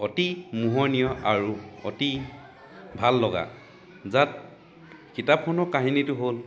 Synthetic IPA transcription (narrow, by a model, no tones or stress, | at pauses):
ɔtimuɦɔnijɔʔaɹuɔ̰ti | bʱalːɔɡa̰ | zat | kitapʰːɔnɔkaɦinitʊɦol